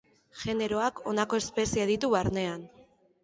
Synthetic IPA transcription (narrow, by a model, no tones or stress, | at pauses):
ʝe̞ne̞ɾo̞akʰo̞nako̞e̞spe̞sieðit̪uβaɾne̞an